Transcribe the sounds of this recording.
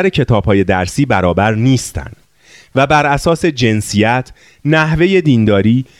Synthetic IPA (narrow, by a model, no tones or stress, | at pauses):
ɾecʰe̞t̪ʰɒːb̥hɒːje̞d̪æɾsiːbæɾɒːbæɾniːst̪æ̰nd̪̥ | væbæɾʔæsɒːse̞d͡ʒe̞nsijæt̪ʰ | næhve̞je̞d̪iːnd̪ɒːɾiː